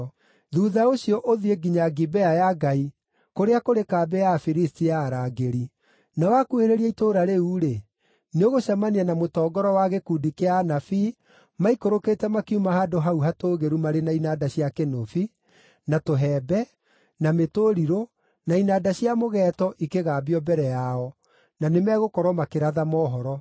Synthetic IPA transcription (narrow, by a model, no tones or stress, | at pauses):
ðuːðaoɕijɔʔoðieɡiɲaɡibɛajaɡai | koɾeakoɾekaːbɛafiɾistiaɾaːɡeɾi | nawakueɾeɾiɛitoɾaɾeuɾe | neoɣoɕamanianamotɔːɡɔɾɔwaɣekuːdikeanafi | maikoɾokeːtɛmakiumahadoɦauɦatoːɣeɾumaɾenainadaɕiakenofi | natoɦɛːbɛ | nametoːɾiɾo | nainaːdaɕiamoɣɛːtɔʔikeɣaːbiɔbɛɾɛjaɔ | nanemɛɣokɔɾwɔmakeɾaðamɔːɦɔɾɔ